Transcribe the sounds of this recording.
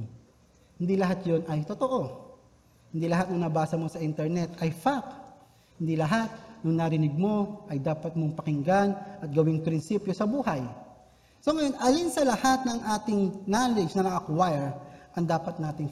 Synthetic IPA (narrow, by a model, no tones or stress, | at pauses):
hɪnd̪ilɐɦat̪jo̞nɐjt̪ot̪oʔo̞ | hɪnd̪ilɐɦat̪nʊŋnɐbaːsɐmo̞sɐʔɪnt̪ɛɹnɛt̪ʔɐjfak | hɪnd̪ilɐɦat̪̚nʊŋnɐɾɪnɪɡ̚mo̞ʔɐjd̪aːpɐt̪̚moŋpɐkɪŋɡanʔɐt̪̚ɡɐwɪŋpɾɪnsiːpjo̞sɐbuːhɐj | so̞ŋɐjo̞nʔɐlinsɐlɐhat̪̚nɐŋʔaːt̪ɪŋnaːlɪd͡ʒnɐnɐʔɐkwajɛɹʔɐŋd̪aːpɐt̪̚naːt̪ɪŋ